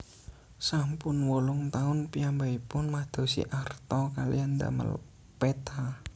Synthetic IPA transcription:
sampʊnwolʊŋt̪aʊnpiambaipʊnmad̪̥o̤sḭʔart̪ɔkalḭand̪a̰mə̰l | pet̪a

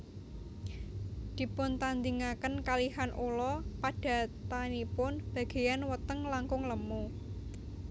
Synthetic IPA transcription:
d̪̥i̤pʊnt̪and̪iŋakənkalihanʔulɔpaɖ̥ä̤t̪anipʊnb̥ä̤ɡ̥e̤janwət̪əŋlaŋkʊŋləmu

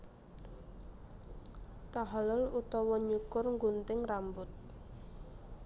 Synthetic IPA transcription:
t̪aɦalʊlut̪ɔwɔɲukʊrŋɡunt̪ɪŋrambʊt̪̚

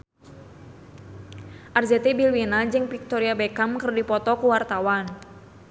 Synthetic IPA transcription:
ʔarzɛt̪ɛbilwinad͡ʒɨŋpik̚t̪oɾiabɛkamkɨrdipɔt̪ɔkuwart̪awan

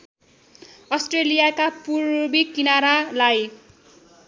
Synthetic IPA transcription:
ʌsʈrelijakapurbikinaɾalaj

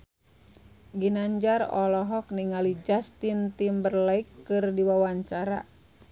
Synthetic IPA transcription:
ɡinaɲd͡ʒarɔ̰lɔɦɔk̚niŋalid͡ʒast̪int̪imbərlaikːɨrdiwawaɲt͡ʃaɾa̰

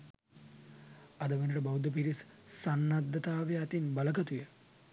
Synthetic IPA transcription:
ɐd̪əʋenəʈəbawud̪əp̬iɾis | sanːad̪ːɐt̪aːʋejat̪inbaləkɐt̪ujə

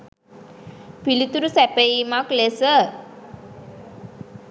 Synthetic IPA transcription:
pilit̪uɾusæpəiːmaklesə

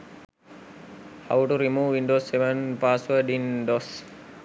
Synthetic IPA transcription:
ha̰wʈuɾimuːʋiɳɖoːsːeʋənpaːsuəɖinɖos

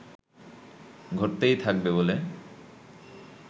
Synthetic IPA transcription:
ɡʱoɾt̪ejt̪ʰak̚bebole

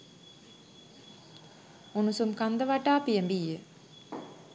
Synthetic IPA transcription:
unusumkand̪əʋaʈaːpijəmbijə

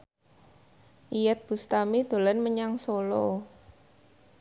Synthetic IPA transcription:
ʔijɛt̪̚b̥ṳst̪amid̪̥o̤lənməɲaŋsolo

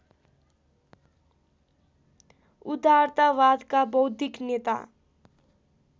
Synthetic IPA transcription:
ud̪aɾt̪aʋad̪kabʌwd̪ʱiknet̪a̰

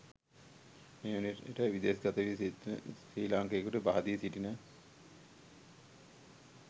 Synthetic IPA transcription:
meːuneḛʈəʋid̪eːsɡat̪əʋi | iːlaŋkeːkuʈəbaɦad̪iːsiʈinə

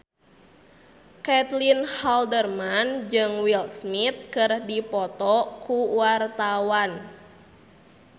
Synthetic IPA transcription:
kɛt̪linhaldərmand͡ʒɨŋwilsmit̪̚kɨrdipɔt̪ɔkuwart̪awan

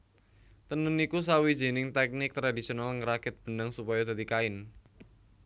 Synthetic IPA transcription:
t̪ənʊnikus̬awi̥d͡ʒe̤nɪŋt̪ɛk̚nɪk̚t̪ɾadisionalŋəɾakɪt̪̚b̥ənəŋsupajad̪a̤t̪ikaɪn

